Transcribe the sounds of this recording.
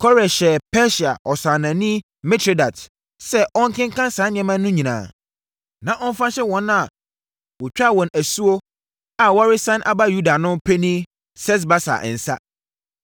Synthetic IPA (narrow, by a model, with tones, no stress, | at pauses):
kʰɔ˦ɾɛ˨ɕɛ˨pʰɛ˦ɕi˨a˨ʔɔ˨sã˨nã˨nĩ˦ | mɛ̃˦tʰe˦da˨t | sɛ˦ʔɔ̃˦ŋ˦kʰɪ̃˦ŋ˦kʰã˦n˦sãː˨˦nɪ̃˨ɛ̃˨˦mã˦nʊ̃˦ɲĩ˨nã̰ː˨ | nã˨ʔɔ̃˦m˦fã˦ɕɛ˦wɔ̃˨˦n˦a˨ | wɔ˨t͡ɕᶣa˦˨wɔ̃˨næ˨su˦o˦ | a˨wa˦ɾɪ˦sã˦nʔa̰˨ba˦ju˦da˨nʊ̃˦mpʰe˦nĩ˦ | sɛ˦s̬ba˦sa̰˨ʔɛ̰˨n̩˨sa˦